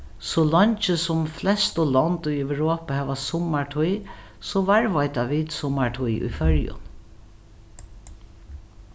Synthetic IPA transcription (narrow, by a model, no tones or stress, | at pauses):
sɔlɔɲt͡ʃəsɔmflɛst̪ɔlɔnt̪ʊjɛwɹoːpahɛːʋasʊmaɹʈʰuj | sɔʋaɹʋajt̪aʋit̪sʊmaɹʈ̪ʰujṵjfœɹjʊ̰n